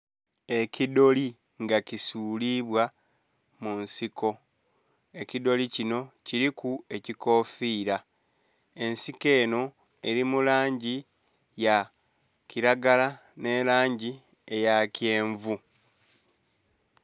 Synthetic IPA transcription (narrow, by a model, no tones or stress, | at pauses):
e̞cido̞li | ŋɡacisuːliβwa | munsikʰo̞ | e̞cido̞licino̞ciɾikue̞ciko̞ːfiːɾa | e̞nsike̞ːno̞ | e̞ɾimulaːɲɟi | ja | ciɾaɡala | ne̞laːɲɟi | e̞jacje̞ːɱvu